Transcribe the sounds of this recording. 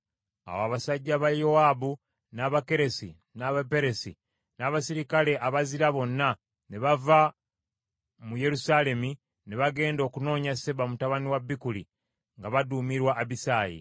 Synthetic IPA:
a̰waβasaɟːaβajowaːbu | naβake̞ɾe̞si | naβape̞ɾesḭ | naβasiɾikale̞ʔaβaziɾaβo̞nːa | ne̞βava | muje̞ɾusaːle̞mi | ne̞βaɡe̞ːndo̞ːkuno̞ːɲase̞bamutaβaniwabːikulḭ | ŋɡaβaduːmiɾwaʔːβisaːjḭ

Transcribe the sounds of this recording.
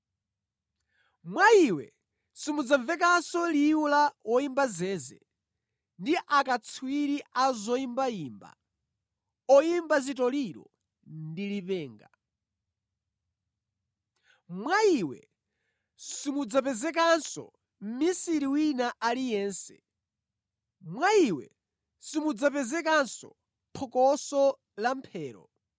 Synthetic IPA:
mwaiwɛ̰ | simud͡zaɱvɛk̬ansɔliulawɔimbazɛːzɛ̰ | ndiʔakat͡sʰwiɾiazɔimbaiːmba̰ | ɔimbazitɔliɾɔ̰ | ndilipɛːŋɡa | mwaiwɛ̰ | simud͡zap̬ɛzɛk̬ansɔ̰ | m̩misiɾiwinaʔalijɛːnsɛ̰ | mwaiwɛ̰ | simud͡zapɛzɛk̬ansɔ̰ | pʰɔkɔsɔ | lampʰɛːɾɔ̰

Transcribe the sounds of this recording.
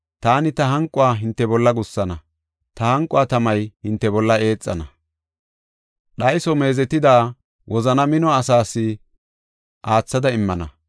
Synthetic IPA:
t̪aːnɪt̪ɐɦɐŋkʼːʊaːɦɪnt̪ːɛbɔlːɐɡʊsːɐnɐ | t̪ɐhɐŋkʼʊaːt̪ɐmɐjhɪnt̪ːɛbɔlːɐe̞ːt͡sʼːɐ̰nɐ | ɗɐjsɔme̞ːzɛt̪ːɪd̪aː | wʔɔzɐnɐmɪnɔɐsaːsːɪ | ʔaːt͡sːɐd̪ɐɪmːɐnɐ̰

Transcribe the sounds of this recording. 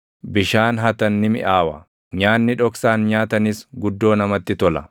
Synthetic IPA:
bɪʃaːnɦɐt̪ɐnːɪmɪ̰ʔaːwɐ | ɲaːnːɪᶑɔksaːnɲaːt̪ɐnɪsɡʊd̪ːo̞ːnɐmɐt̪ːɪt̪ɔlɐ

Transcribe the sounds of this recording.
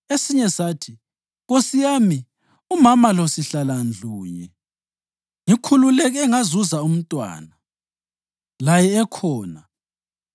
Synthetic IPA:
esiɲɛsaːtʰi | ɣosijaːmi | umamalosiɬaland͡ɮʱuːɲɛ | ŋikʰululɛɣ̬ɛŋazuzaum̩tʼwa̰ːna | lajɛːkʰɔːna

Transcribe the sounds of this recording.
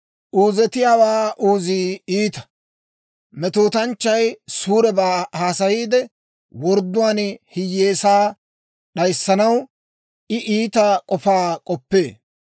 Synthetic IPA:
ʔuːzɛt̪ɪjaːwaːʔuːziːiːt̪ɐ̥ | mɛt̪oːt̪ɐnt͡ʃːɐjsuːɾɛbaːhaːsɐjiːd̪ɛ | wɔɾd̪ːʊwaːnhɪjːeːsaː | ɗɐjsːɐnɐw | ʔɪʔiːt̪ɐkʼɔfaːkʼɔpːe̞ː

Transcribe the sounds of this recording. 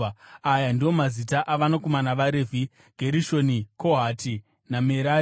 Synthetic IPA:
ajandio̞mazitaʔaʋanokomanaʋaɾeːvʱi | ɡ̥ʱeɾiʃo̞nikʰo̞ɦati | nameɾa

